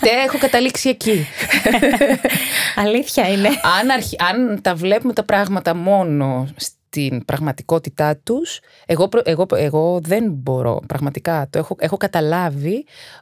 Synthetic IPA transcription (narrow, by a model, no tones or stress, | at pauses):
t̪eexo̞kɐt̪ɐliksie̞ci | ɐliθçɐineɐnɐɾçiɐnt̪ɐvle̞pumet̪ɐpɾɐɣmɐt̪ɐmo̞no̞stt̪inpɾɐɣmɐt̪iko̞t̪it̪ɐt̪us | e̞ɣo̞pɾoʔeɣo̞eɣo̞ðe̞nbo̞ɾo̞̰pɾɐɣmɐt̪ikɐt̪oexoe̞xo̞kɐt̪ɐlɐvi